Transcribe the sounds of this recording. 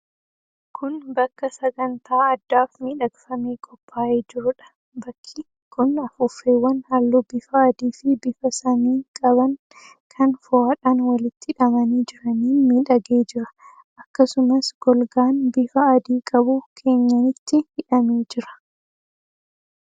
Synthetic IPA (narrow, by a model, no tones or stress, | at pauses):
kʰʊnbɐkːɐsɐɡɐnt̪ʰaːɐd̪ːaːfmiːᶑɐɡɪfɐmeːkʼɔpːaːʔeːd͡ʒɪɾʊᶑɐ̥ | bɐkʰːɪ | kʰʊnɐfʊfeːwːɐnhalːuːbɪfɐːd̪iːfɪbɪfɐsɐniːkʼɐbɐŋ | kʰɐnfʊaːᶑaːnwɐlɪt̪ːɪhɪᶑɐmɐniːd͡ʒɪɾɐniːmiːᶑɐɡeːd͡ʒɪɾɐ̥ | ʔɐkːɐsʊmɐsɡ̥ɔlɡaːnbɪfɐːd̪iːkʼɐbʊkʰe̞ːɲːɐnɪt̪ːɪhɪᶑɐmeːd͡ʒɪɾɐ̥